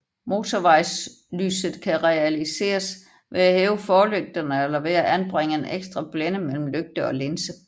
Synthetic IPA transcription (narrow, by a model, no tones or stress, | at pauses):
mo̝ːt͡sʰoʋɑ̈ɪs | ly̰ːsð̩ˠkʰæʁɛælise̝̰ːɐs | ʋe̝æhɛːʊəfɒːløɡ̥̚d̥ɐnəelɐʋeæʔænb̥ʁeŋ̰əeneɡ̥sd̥ʁɑb̥lenəmel̰m̩løɡ̥̚d̥əɒ̽le̝nsə